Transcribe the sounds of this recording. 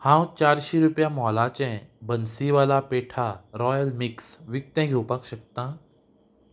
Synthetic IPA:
hãwt͡ɕaɾɕiɾupjamɔlat͡ɕɛ̃bənsiʋalapeʈʰaɾɔjəlmiksʋik̚t̪ɛ̃ɡʱewpakɕək̚t̪ã

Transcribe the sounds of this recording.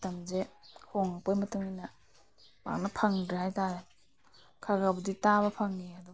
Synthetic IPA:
tamzehʰoŋapojmɐtuŋina | ba̰k̚nɐpʰaŋdɾɦajtaɾe | kʰaɡabuditaβɐpʰaŋːiadu

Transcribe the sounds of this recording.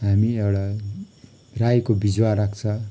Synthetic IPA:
ɦamiewɽa | rajkobid͡zwarak̚ʰt͡sʰʌ

